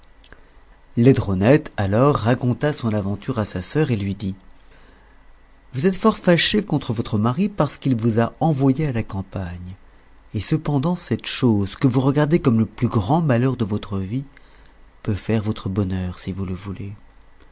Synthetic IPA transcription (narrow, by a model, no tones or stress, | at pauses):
led̪ʁɔnɛt̪alɔʁːakɔ̃t̪asɔ̃navɑ̃t̪yʁasasœʁelɥid̪i | vuzɛt̪fɔʁfaʃekɔ̃t̪χəvɔt̪χəmaʁipaʁsə̥kilvuzaɑ̃vwajealakɑ̃paɲ | esəpɑ̃d̪ɑ̃sɛt̪ʃozkəvuʁəɡaʁd̪ekɔmləplyɡʁɑ̃malœʁd̪əvɔt̪χəvi | pøfɛʁvɔt̪χəbɔnœʁsivuləvule